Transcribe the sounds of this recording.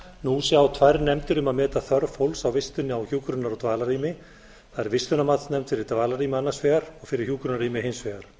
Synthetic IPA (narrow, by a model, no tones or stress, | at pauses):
nusjaːwt̪ʰvajɾnɛmt̪ʏɾʏmaðmɛːt̪aθœɾfowlsawvɪst̪ʏnːɪawçuːkɾʏnaɾɔt̪vaːlaɾiːmɪ | θaðɛɾvɪst̪ʏnamat̪snɛmt̪fɪɾɪɾ̥t̪vaːlaɾiːmɪanːḁsvɛːɣaɾɔɣfɪɾɪɾ̥çjuːkɾʏnaɾriːmɪɦɪnsvɛːɣaɾ̥